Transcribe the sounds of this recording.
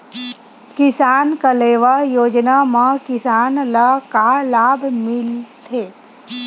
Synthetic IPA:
kɪsaːnkəleːʋajoːd͡ʒnamãkɪsaːnləkalaːbʱmɪlt̪ʰeː

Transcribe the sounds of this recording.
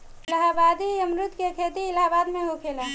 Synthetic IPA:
ləɦabad̪iəmɾʊt̪kekʰet̪iːlɦabaːd̪mẽɦokʰeːla

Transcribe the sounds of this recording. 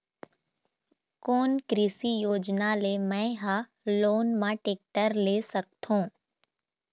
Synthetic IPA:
koːnkɾiːsijoːd͡ʒnalemɛ̃ːɦa | loːnmãʈeːk̚ʈəɾleːsɐk̚t̪ʰũː

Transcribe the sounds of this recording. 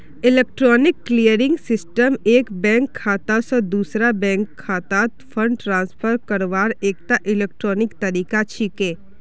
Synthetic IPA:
ɪleːk̚ʈɾɔːnɪkːlijəɾɪ̃ŋɡsɪsʈəmeːkbɛ̃ːŋkʰːaːt̪asɔ̃d̪uːsɾabɛ̃ːŋkʰːaːt̪at̪fʰəɳɖʈɾãːnspʰəɾkəɾʋaːɾeːk̚t̪aʔɪleːk̚ʈɾɔːnɪkt̪ɐɾiːkat͡ʃʰikẽː

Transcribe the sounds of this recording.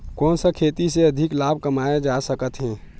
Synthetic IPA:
kɔːnsəkʰeːt̪iseɐd̪ʱɪklaːb̚ʱkəmaːed͡ʒasəkət̪ɦɛ̃ː

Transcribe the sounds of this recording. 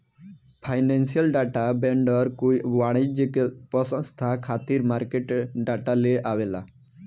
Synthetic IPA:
fʰajnensijəlɖaʈabɛɳɖəɾkujʋaɽ̃id͡ʑekepəsə̃st̪ʰakʰat̪iːɾmaɾkeʈɖaʈaleʔaʋela̰

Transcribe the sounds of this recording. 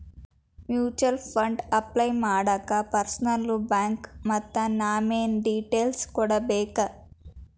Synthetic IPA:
mjuːt͡ʃɐlpʰɐɳɖɐplɐjmaːɽɐkɐpɐɾsɐnɐlːubaːŋkmɐt̪ːɐnaːmeːnɖiːʈeːlskuːɽabɛːkɐ

